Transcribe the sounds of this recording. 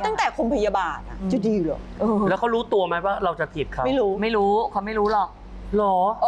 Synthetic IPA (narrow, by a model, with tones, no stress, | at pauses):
a˥˩ŋt̪ɛː˨˩kʰo˧mpʰa˧ja˧baː˨˧nʔa˩˧t͡ɕa˨˩diː˧lɯː˨˩ʔɤː˧lɛ˦˥wkʰa˥wɾuː˦˥t̪u˧ɐma˦˥jwaː˥˩ɾa˧wt͡ɕa˨˩p̪ʰi˨˩t̪̚kʰa˦ma˥˩jɾuː˦˥ma˥˩jɾuː˦˥kʰa˧˩ma˥˩jɾuː˦˥lɔ˨˩k̚ | lɔː˩˦